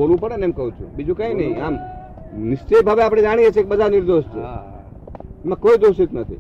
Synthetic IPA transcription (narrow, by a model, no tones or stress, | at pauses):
olʋũpəɽeneemkəɦũt͡ʃʰṵ̃bid͡ʒũkaĩnəɦĩaːm | nɪst͡ʃejbʱabeapɽ̃ed͡ʒaɽ̃iet͡ʃʰekebəd̪ʱanɪɾd̪oʃt͡ʃʰḛ | mãkoːid̪osit̪nət̪ʰḭ